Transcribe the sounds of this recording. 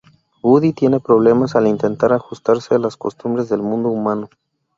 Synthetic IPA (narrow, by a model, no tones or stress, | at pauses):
ɡuðit̪jene̞pɾo̞β̞le̞masalint̪e̞nt̪aɾaxust̪aɾsealasko̞̰st̪umbɾe̞zðe̞lmũnd̪oumãno